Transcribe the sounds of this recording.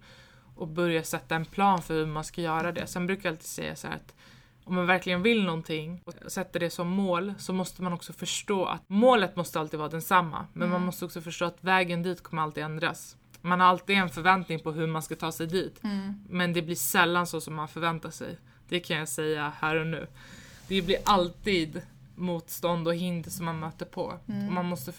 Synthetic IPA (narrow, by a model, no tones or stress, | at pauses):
ʔɔk̚bœɾjasɛt̪ːaɛnpʰlɑːnfœɾhɵmanskajœːɾad̪ɛ̰sɛnbɾʉːkajalt̪ʰiːd̪sɛ̰jːa̰shæ̰ɾa̰t̪ | ɔmːanvæɾklɪɡənvɪlnɔnt̪ʰɪŋɔsɛt̪ːad̪ɛsɔmːoːlsɔmɔst̪əmanɔksɔfœʂʈoːʔa̰t̪moːlət̪mɔst̪əalt̪ɪɡ̪vɑːad̪ɛnsamːa̰mɛnmanmɔst̪əɔksɔfœʂʈoːat̪vɛːɡənd̪iːt̪kʰɔmːəɾalt̪ɪɡ̪ɛnd̪ɾa̰s | manhaɾalt̪iːd̪ɛnfœɾvɛnt̪nɪŋpʰɔɦɵmanskat̪ʰɑːsɛjd̪iːt̪mɛnd̪ɛblɪʂɛlːansoːsɔmːanfœɾvɛnt̪aʂɛ̰j | d̪̥ɛkʰanjasɛjːahæːɾɔnʉ̟̰ːd̪̥ɛblɪɾʔalt̪iːd̪ | muːt̪st̪ɔnd̪ɔɦɪnd̪sɔmːanmøːt̪əɾpʰɔ̰ɔmanmɔst̪ə